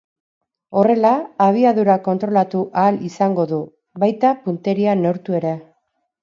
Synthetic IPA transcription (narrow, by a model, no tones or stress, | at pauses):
o̞re̞laːβ̞iaðuɾako̞nt̪ɾo̞lat̪uʔaːlisaŋɡo̞ðu | βajt̪apunt̪e̞ɾiano̞ɾt̪ue̞ɾe